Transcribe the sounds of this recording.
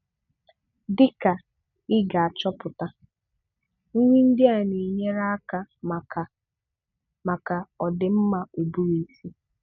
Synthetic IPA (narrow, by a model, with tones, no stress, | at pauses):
dɪ˦ka˨ | ɪ˦ɡa˨a˨t͡ʃɔ˦pʊ˨ta˦ | ŋ̩˦ɲʷi˦n̩˦dɪ˦a˨ni˨ɲe˦ɾa˦a˦ka˦m˨a˨ | ma˨ka˨ɔ˨dɪ˨m̩˦ma˨u˨bu˦ɾi˨si˦